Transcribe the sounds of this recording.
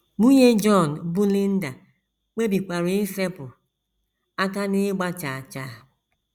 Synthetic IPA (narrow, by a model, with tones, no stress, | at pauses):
mu˦ɲe˦d͡ʒɔ˦˨n˨bu˦li˦n̩˦da˨ | k͡pe˦bi˨k͡pʷa˨ɾi˦i˦fe˦pʊ˨ | a˦ka˦nɪ˦ɡ͡ba˦t͡ʃa˨a˨t͡ʃa˨˦